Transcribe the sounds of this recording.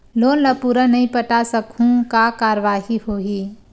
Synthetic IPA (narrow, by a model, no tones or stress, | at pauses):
loːnləpuːɾanɐɦĩpəʈasəkũkakaːɾəʋaːɦihoːɦiː